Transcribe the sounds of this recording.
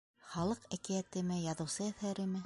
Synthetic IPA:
χɑlˠɤqækijæt̪ɘ̆mɘjɑðɤ̆wsɤæθæɾɘ̆mɘ

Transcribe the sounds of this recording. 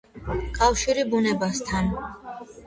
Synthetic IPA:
kʼafʃiɾibunɛbast̪ʰan

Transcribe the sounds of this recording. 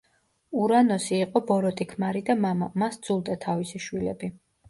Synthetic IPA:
uɾanɔsiːqʼɔbɔɾɔt̪ʼikʰmaɾid̪amaamasd̪zulˠd̪at̪ʰavisiʃwilɛ̰bi

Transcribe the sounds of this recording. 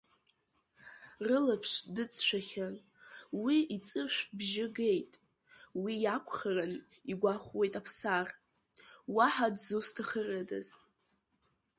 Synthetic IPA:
rɨlapʰʂdɨt͡sʼʃʷᶣaχʲan | wiit͡sʼɨrʃʷᶣbʒɪɡe̞jtʼ | wijakʷʰχaraniɡʷaχʷwejtʼapʰsar | waħadzustʰaχərɨda̰z

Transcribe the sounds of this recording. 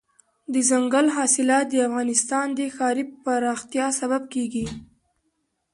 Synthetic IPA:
d̪əzaŋɡalɦɑsɪlɑt̪̚d̪əafɣɑnɪst̪ɑnd̪əxɑɾipaɾɑxt̪jɑsabab̚keɡi

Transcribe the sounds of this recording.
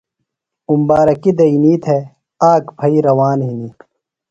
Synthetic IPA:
umbaːɾɐkid̪ɐiniːt̪ʰe | aːkpʰɐiɾɐwaːnɦiniː

